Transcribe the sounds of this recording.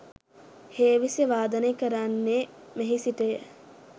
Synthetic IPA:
heːʋisəʋaːd̪ənekəɾanːemeɦisiʈəjə

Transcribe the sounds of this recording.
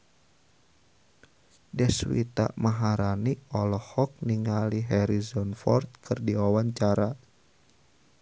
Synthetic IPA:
dɛswḭt̪a̰ʔmaɦaɾaniɔlɔhɔk̚niŋaliɦɛɾizɔnfɔ̰rt̪̚kʰɨrdiwawaɲt͡ʃaɾa

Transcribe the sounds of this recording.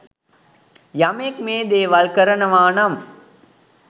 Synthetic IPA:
jamek̚meːd̪eːʋɐlkəɾənəʋaːnɐm

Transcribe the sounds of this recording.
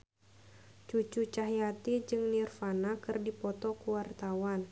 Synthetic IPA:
t͡ʃut͡ʃut͡ʃaɦjat̪id͡ʒɨŋnirfanakɨrdipɔt̪ɔkuwart̪awan

